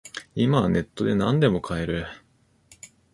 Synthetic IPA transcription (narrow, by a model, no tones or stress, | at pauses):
imane̞t̪ːo̞d̪e̞nãnd̪e̞mo̞kʰaeɾɯ̟